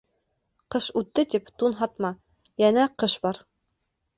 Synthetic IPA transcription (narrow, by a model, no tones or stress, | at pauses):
qɤʃʉt̪ːɘt̪ipt̪unɦɑt̪mɑ | jænæqɤʃbɑɾ